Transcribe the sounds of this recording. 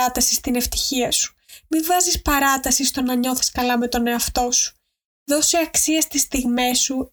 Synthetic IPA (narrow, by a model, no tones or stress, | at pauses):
ɐt̪ɐsist̪ine̞ft̪i̥çiɐsu̥ | mivɐzispɐɾɐt̪ɐsist̪o̞nɐɲo̞θi̥skɐlɐme̞t̪o̞ne̞ɐft̪o̞su̥ | ðo̞siɐksiɐst̪ist̪iɣme̞su